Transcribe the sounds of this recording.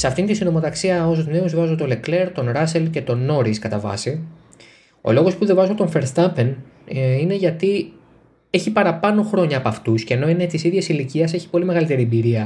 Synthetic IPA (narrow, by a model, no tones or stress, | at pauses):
seɐft̪int̪isino̞mo̞ðɐksiɐosot̪neuzvɐzot̪olekle̞ɾt̪o̞nɾɐse̞lce̞t̪o̞no̞ɾiskɐt̪ɐvɐ̰si | o̞̰lo̞ɣospuðevɐzot̪o̞nfe̞ɾst̪ɐpe̞n | ine̞ʝɐt̪i | e̞çipɐɾɐpɐno̞xɾo̞ɲɐːpɐft̪usceno̞ine̞t̪isiðʝe̞siliciɐse̞çi̥po̞lime̞ɣɐlit̪e̞ɾiebiɾiɐ